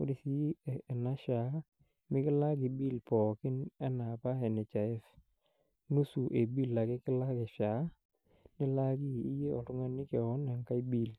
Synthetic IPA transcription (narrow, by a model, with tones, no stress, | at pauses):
ʊ˦di˨si˦˨ɛ˨na˦ʃa˨˦ | mɪ˦kɪ˦la˦ɡɪ˨bi˦˨lpɔ˨kɪ˦nɛ˦na˨pa˦ɛ˨nɛ˨t͡ʃa˨ɛ˦f | nu˦su˨ʔe˨bi˦˨lːa˨kɪ˦kɪ˦la˦ɡɪ˨ʃa˨ | nɪ˦la˦ɡi˦˨i˦je˦ɔ˨tʊ˦ŋa˦nɪ˦kɛ˨ɔ˦na˨ŋka˦jbi˦˨l